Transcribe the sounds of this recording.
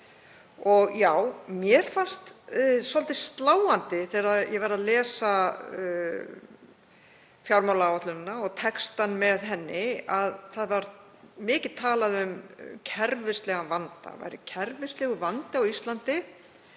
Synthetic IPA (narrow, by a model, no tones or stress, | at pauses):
ɔɣjaːwmjɛɾ̥fanst̪sɔlt̪ɪst̪laːwant̪ɪθɛɾaðjɛvaɾaðlɛːsa | fjawɾmawlaawat̪lʏnnːaɔɣt̪ʰɛkst̪anmɛðɦɛnːɪaðθaðvaɾ | mɪːcɪðt̪ʰaːlaðʏmcʰɛɾvɪst̪lɛɣavant̪a̰va̰jɾɪ̰cʰɛɾvɪst̪lɛɣʏvant̪ɪawist̪lant̪ɪ